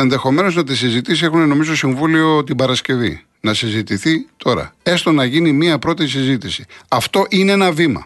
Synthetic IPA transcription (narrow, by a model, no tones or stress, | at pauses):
enðe̞xo̞me̞no̞znɐt̪̬isizit̪isie̞xuneno̞mizot̪osiɱvulio̞t̪ibɐɾɐsce̞vḭ | nɐsizit̪iθit̪ʰo̞ɾɐ̰e̞st̪onɐʝinimiɐpɾo̞t̪is̬izit̪isi̥ɐft̪o̞ʔineenɐvimɐ̰